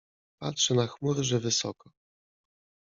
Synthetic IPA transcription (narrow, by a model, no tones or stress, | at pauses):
patʂɛnaxmuɾɘʐɛvɘsɔkɔ